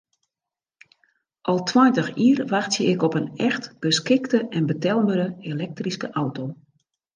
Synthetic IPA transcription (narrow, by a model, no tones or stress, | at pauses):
ʔɔlˠtʰwɔjntəxiːərʋaxtjəɪkɔpənɛxtb̥əskɪktəʔɛnbətɛlˠməɾəelɛk̚triskəʔawtoː